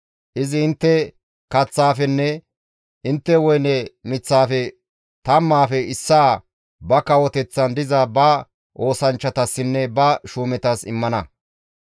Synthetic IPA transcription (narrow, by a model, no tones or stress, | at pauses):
ʔɪzɪɪnt̪ːɛ | kɐt͡sːaːfɛnːɛ | ʔɪnt̪ːɛwɔjnɛmɪt͡sːaːfɛ | t̪ɐmːaːfɛɪsːaː | bɐkɐwɔt̪ɛt͡sːɐnd̪ɪzɐbɐ | ʔo̞ːsɐnt͡ʃːɐt̪ɐsːɪnːɛbɐʃuːmɛt̪ɐsɪmːɐnɐ